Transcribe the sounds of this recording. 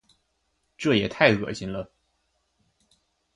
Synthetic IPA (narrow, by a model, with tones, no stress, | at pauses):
ʈ͡ʂɤ˥˩jɛ˨˩t̪ʰa˥˩ɪkɤ̰˨˩ɕi˧˥ŋlə˧